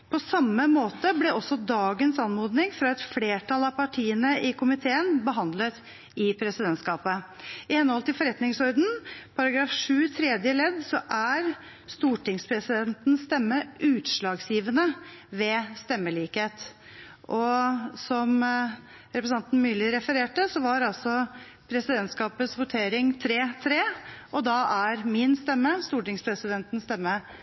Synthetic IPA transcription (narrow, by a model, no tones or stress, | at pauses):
pʰɔsɑmːəmoːt̪əblɛʔɔsːɔd̪ɑːɡənsɑnmoːd̪nɪŋfɾɑɛt̪fleːʈʰɑlɑpɑʈʰiːənəʔɪkʰʊmɪt̪ʰeːənbəɦɑnd̪lət̪ | ɪpʰɾɛsɪd̪ɛnt̪skɑːpə | ɪhɛnːəɔlt̪ɪlfɔɾɛt̪nɪŋsɔɾd̪n̩pʰɑɾɑɡɾɑːfʂʉːt̪ʰɾɛd̪jəlɛd̪sɔʔæɾ | st̪uːʈɪŋspʰɾɛsɪd̪ɛnt̪nst̪ɛmːəʔʉːt̪ʂɭɑːɡsjiːʋənəʋɛst̪ɛmːəɭiːkeːt̪ | ʔɔsɔm | ɾɛpɾəs̬ɑnt̪n̩myːlɪɾɛfəɾeːʈəsɔʋɑɾɑlsɔ | pʰɾɛsɪd̪ɛnt̪skɑːpət̪sʋʊt̪ʰeːɾɪŋt̪ʰɾeːt̪ʰɾeːʔɔd̪ɑæɾmɪnst̪ɛmːəst̪uːʈɪŋspʰɾɛsɪd̪ɛnt̪n̩st̪ɛmːə